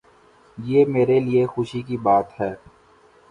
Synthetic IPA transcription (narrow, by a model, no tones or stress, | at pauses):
jeːmeːɾeliexʊʃikibaːt̪ɦɛː